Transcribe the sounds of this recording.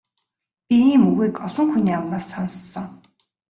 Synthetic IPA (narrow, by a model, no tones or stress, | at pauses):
pʲiiːmuɣiːkɔɮɞ̆ŋxuniːamnaːsːɔnssɞ̆ŋ